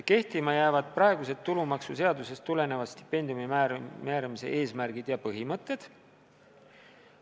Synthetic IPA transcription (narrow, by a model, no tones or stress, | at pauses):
ke̞ht̪imɑjæːvɑd̪̥̚prɑeɡ̥use̞t̪ːulumɑksuse̞ɑd̪use̞st̪ule̞ne̞vɑst̪i̥pːe̞nd̪̥jumimæmæːɾɑmise̞̰ʔe̞ːsmærɡ̥id̪̥jɑpɤɦimɤt̪ˑːe̞d̪̥